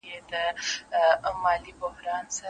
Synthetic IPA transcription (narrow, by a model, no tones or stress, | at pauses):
ed̪ə | mɑlibʊhɾɑnsa